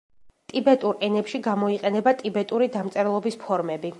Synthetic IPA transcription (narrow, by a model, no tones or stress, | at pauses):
t̪ʼibɛt̪ʼuɾɛnɛpʃiɡamɔiqʼɛnɛbat̪ʼibɛt̪ʼuɾid̪amt̪sʼɛɾlˠɔbispʰɔɾmɛbi